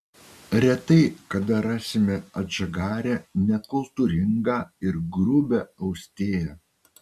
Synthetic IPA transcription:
ɾʲɛt̪ɐɪkɐd̪ɐɾɑːsʲɪmʲɛɐʒɐɡɑːɾʲɛnʲɛkʊlˠt̪uːɾʲɪŋɡɑːɪɾɡɾʊbʲɛɐʊsʲt̪ʲeːjɛ

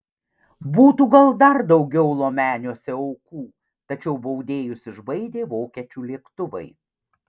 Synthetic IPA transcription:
buːt̪uːɡɐlˠd̪ɐɾd̪ɐʊɡʲɛʊlˠoːmʲæːnʲoːsʲɛɐʊkuː | t̪ɐt͡ʃʲɛʊbɐʊd̪ʲeːjʊsɪʒbɐɪd̪ʲeːʋoːkʲiɛt͡ʃʲuːlʲiɛkt̪ʊʋɐ̰ɪ

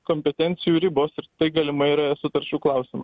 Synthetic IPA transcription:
komʲpʲɛt̪ʲɛnʲt̪sʲɪjuːɾʲɪboːsɪɾt̪ɐɪɡɐlʲɪmɐɪiːɾɐɛsʊt̪ɐɾʲt͡ʃʲuːklˠɐˑʊsʲɪmɐ

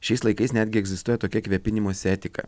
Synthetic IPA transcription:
ʃʲɛɪslˠɐɪkɐɪsnʲæːd̪ʲɡʲɪɛɡzʲɪst̪uɔjɛt̪oːkʲɛkʋʲɛpʲɪnʲɪmoːsʲɛːt̪ʲɪkɐ̰

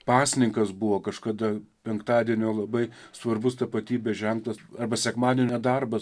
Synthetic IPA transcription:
pɑːsʲɪnʲɪŋkɐsbʊʋoːkɐʃkɐd̪ɐpʲɛŋkt̪ɑːd̪ʲiɛnʲoːlˠɐbɐɪsʋɐrbʊst̪ɐpɐt̪ʲiːbʲɛsʒʲɛŋklˠɐsɐrbɐsʲɛkmɑːd̪ʲeːnʲɛd̪ɐrbɐ

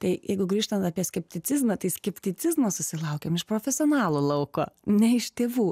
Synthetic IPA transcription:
t̪ɐɪjɛɪɡʊɡɾʲiːʃt̪ɐnt̪ɐpʲiɛsʲkʲɛpʲt̪ʲɪt͡s̪ʲɪzmɐt̪ɐɪsʲkʲɛpʲt̪ʲɪt͡s̪ʲɪzmosʊsʲɪlˠɐʊkʲeːmɪʃpɾoːfʲɛsʲɪoːnɑːlˠulˠɐʊko̰ːnʲɛɪʃt̪ʲeːʋuː

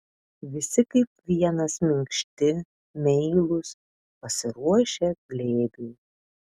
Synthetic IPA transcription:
ʋʲɪsʲɪkɐɪp̚ʋʲiɛnɐsmʲɪŋkʃʲt̪ʲɪ | mʲɛɪlˠʊs | pɐsʲɪɾuɔʃʲɛɡlʲeːɡʲɛɪ

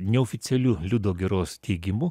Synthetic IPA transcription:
nʲɛɔfʲɪt̪sʲɛlʲuːlʲʊd̪oːɡʲɛɾoːst̪ʲɛɪɡʲɪmʊ

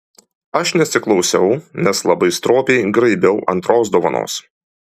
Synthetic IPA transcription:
ɐʃnʲɛsʲɪklˠɒʊsʲɛʊnʲɛslˠɐbɐɪst̪ɾoːpʲɛɪɡɾɐɪbʲɛʊʔɐ̰nˑt̪ɾoːsd̪oːʋɐno̰ːs

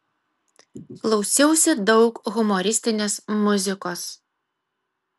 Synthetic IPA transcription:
klˠɒʊsʲɛʊsʲɪd̪ɒʊkɣʊmɔɾʲɪsʲt̪ʲɪnʲeːsmʊzʲɪkoːs

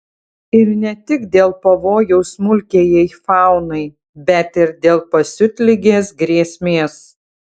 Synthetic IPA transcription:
ɪɾnʲɛt̪ʲɪɡd̪ʲeːlˠpɐʋoːjɛʊsmʊlʲkʲeːjɛɪfɑˑʊnɐɪ | bʲɛt̪ɪɾd̪ʲeːlˠpɐsʲʊt̪ʲlʲɪɡʲeːsɡɾʲeːsʲmʲeːs

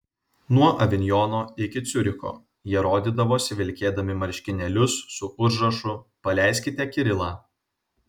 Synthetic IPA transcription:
nuɔʔɐʋʲɪnʲjɔːnoːɪkʲɪt̪sʲʊɾʲɪko̰ː | jiɛɾoːd̪ʲiːd̪ɐʋoːsʲɪʋʲɪlʲkʲeːd̪ɐmʲɪmɐɾʲʃʲkʲɪnʲɛlʲʊsːʊʊʒɾɐʃʊpɐlʲæˑɪsʲkʲɪt̪ʲɛkʲɪɾʲɪlˠɑː

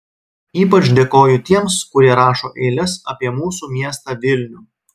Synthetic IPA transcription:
iːpɐt͡ʃʲd̪ʲeːkoːjʊt̪ʲiɛmskʊɾʲiɛɾɑːʃo̰ːʔeːlʲɛsɐ̰pʲiɛmuːsuːmʲiɛst̪ɑʋʲɪlʲnʲuː

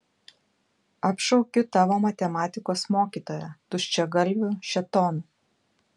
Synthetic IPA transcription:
ɐpʃɔʊkʲʊt̪ɑːʋoːmɐt̪ʲɛmɑːt̪ʲɪkoːsmoːkʲiːt̪oːjɛt̪ʊʃʲt͡ʃʲɛɡɐlʲʋʲʊʃʲɛt̪ɔːnu

